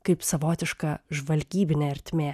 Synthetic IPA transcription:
kɐɪpsɐʋoːt̪ʲɪʃkɐʒʋɐlʲɡʲiːbʲɪnʲeːɐɾʲt̪ʲmʲeː

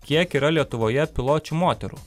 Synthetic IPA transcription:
kʲiɛkiːɾɐlʲiɛt̪ʊʋoːjɛpʲɪlˠoːt͡ʃʲumoːt̪ʲɛɾṵː

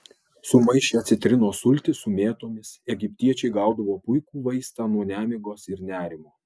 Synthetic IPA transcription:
sʊmɐɪʃʲeɐt̪ʲsʲɪt̪ʲɾʲɪnoːsʊlʲt̪ʲɪsʊmʲeːt̪oːmʲɪsɛɡʲɪpʲt̪ʲiɛt͡ʃʲɛɪɡɑˑʊd̪ɐʋoːpʊɪkuːʋɐɪst̪ɑːnuɔnʲæːmʲɪɡoːsɪɾnʲæːɾʲɪmoː

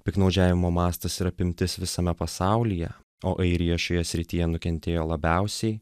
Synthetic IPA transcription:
pʲɪknɒʊd͡ʒʲæːʋʲɪmoːmɑːst̪ɐsiɾɐpʲɪmʲt̪ʲɪsʋʲɪsɐmʲɛpɐsɑˑʊlʲijɛ | oːʔɐɪɾʲɪjoːʃʲoːjɛsʲɾʲɪt̪ʲɪjɛnʊkʲɛnʲt̪ʲeːjoːlˠɐbʲɛˑʊsʲɛɪ

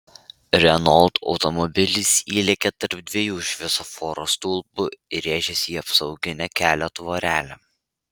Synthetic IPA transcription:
ɾʲɛnɔlˠt̪ɒ̰ʊt̪ɔmɔbʲɪlʲɪsʲiːlʲɛkʲɛt̪ɐɾp̚d̪ʲʋʲiɛjuːʃʲʋʲɛsofɔːɾoːst̪uːlˠbʊɾʲeːʒʲɛsʲiːɐpsɒʊɡʲɪnʲɛkʲæːlʲɛt̪ʋoːɾʲæːlʲɛ

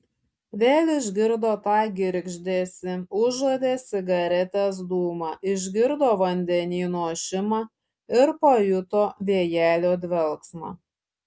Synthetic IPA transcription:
ʋʲeːlʲˠɪʒʲɡʲɪɾd̪oːt̪ɑːɡʲɪɾʲɡʒʲd̪ʲeːsʲɪʊʒod̪ʲeːsʲɪɡɐɾʲɛt̪ʲes̬d̪uːmɑːʔɪʒʲɡʲɪɾd̪oːʋɐnʲd̪ʲɛnʲiːnoɔʃʲɪmɑ | ɪɾpɐjʊt̪oːʋʲeɛjæːlʲoːd̪ʲʋʲɛlˠksmɑ̰ː

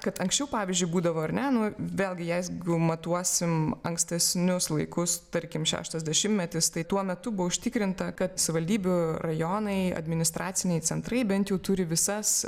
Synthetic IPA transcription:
kɐt̪ɐŋksʲt͡ʃʲɛʊpɑːʋʲizʲd͡ʒʲʊɪbuːd̪ɐʋoːɐɾnʲɛnʊʋʲeːlʲˠɡʲɪjɛɪzɡʊmɐt̪uɔsʲɪmɐŋksʲt̪ʲɛsʲnʲʊslˠɐɪkʊst̪ɐɾʲkʲɪmʃʲæ̰ːʃt̪ɐzʲd̪ʲɛʃʲɪmtʲmʲɛt̪ʲɪst̪ɐɪt̪uɔmʲɛt̪ʊbʊʋoʊʃʲt̪ʲɪkɾʲɪnt̪ɐkɐt̪sɐʋʲɪʋɐlʲd̪ʲiːbʲʊrɐjoːnɐɪɐ̰d̪ʲmʲɪnʲɪst̪ɾʔɑːt̪t͡s̪ʲɪnʲɛɪt͡s̪ʲɛnt̪rɐɪbʲɛnt̪jɛʊt̪ʊɾʲɪʋʲɪsɐs

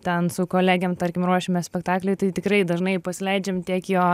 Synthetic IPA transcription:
t̪ʲɛnsʊkoːlʲæːɡʲɛmt̪ɐɾʲkʲɪmɾuɔʃʲɪmʲɛsʲpʲɛkt̪ɑːklʲɛɪt̪ɐɪt̪ʲɪkɾɐɪd̪ɐʒnɐɪpɐsʲɪlʲɛɪd͡ʒʲɛmt̪ʲiɛkjoː

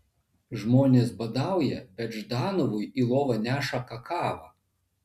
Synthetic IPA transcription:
ʒmoːnʲeːsbɐd̪ɑˑʊjɛbʲɛt̪ʒd̪ɑːnɔʋʊjilˠoːʋɐnʲæːʃɐkɐkʰɑːʋɐ

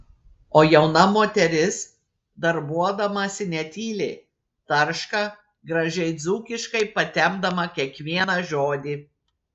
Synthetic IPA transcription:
oːjɛʊnɐmoːt̪ʲɛɾʲɪs | d̪ɐɾbuɔd̪ɐmɐsʲɪnʲɛt̪ʲiːlʲeː | t̪ɐɾʃkɑ | ɡɾɐʒʲɛɪd̪zuːkʲɪʃkɐɪpɐt̪ʲɛmd̪ɐmɐkʲiɛkʋʲiɛnɐʒoːd̪ʲiː

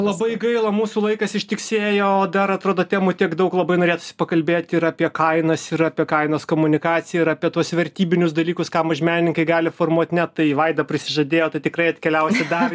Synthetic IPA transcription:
lˠɐbɐɪɡɐɪlˠɐmuːsuːlˠɐɪkɐsɪʃʲt̪ʲɪksʲeːjoːd̪ɐɾɐt̪ɾoːd̪oːt̪ʲæːmut̪ʲiɛkd̪ɐʊklˠɐbɐɪnoːɾʲeːt̪ʊ̥sʲɪ̥pɐkɐlʲbʲeːt̪ʲɪɾaːpʲiɛkɐɪnɐsɪɾɑːpʲiɛkɐɪnoːskoːmʊnʲɪkɑːt͡ssʲɪjɛɪɾɑːpʲiɛt̪uɔsʋʲɛrʲt̪ʲiːbʲɪnʲʊsd̪ɐlʲiːkʊskɑːmɐʒʲmʲæːnʲɪnʲɪŋkɐɪɡɑːlʲɪfoːrmuɔt̪ʲnʲɛt̪ɐɪʋɐɪd̪ɐpʲɾʲɪsʲɪʒɐd̪ʲeːjoːt̪ɐɪt̪ʲɪkrɐɪɐt̪ʲkʲɛlʲɛʊsʲɪd̪ɑːʋʲ

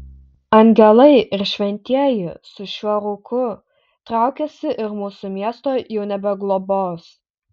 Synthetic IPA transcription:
ɐŋʲɡʲɛlˠɐɪʔɪɾʃʲʋʲɛnʲt̪ʲiɛjɪsʊʃʲuɔɾuːkʰʊ | t̪ɾɑˑʊkʲɛsʲɪʔɪɾmuːsʊmʲiɛst̪oːjɛʊnʲɛbʲɛɡlˠoboːs

